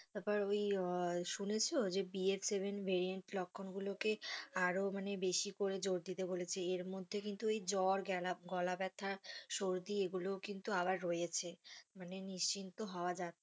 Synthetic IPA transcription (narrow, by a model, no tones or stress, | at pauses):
t̪apɔɾojʃunet͡ɕʰeood͡ʑebieɾseβenvʱeɾieɳʈlɔkʰːonɡulokeaɾomanebeʃikoɾed͡ʑoɾd̪it̪ebolet͡ɕʰeeɾmod̪ʱːekint̪uejd͡ʑɔɾɡɛlaɡɔlabɛt̪ʰːaɾʃoɾd̪ieɡulokint̪uaβaɾːoet͡ɕʰemaneniʃt͡ɕint̪oɦɔoad͡ʑat̪